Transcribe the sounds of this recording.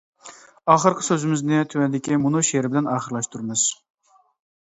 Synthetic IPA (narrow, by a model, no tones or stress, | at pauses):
ɑːχəɾqʰə̥søzɪmɪznɪt̪ʰywɛnd̪ɪkʲʰimunuʃeɾɪbɪd̪ɪnɑːχəɾlˠɑʃt̪ʰuɾɨmɨz̥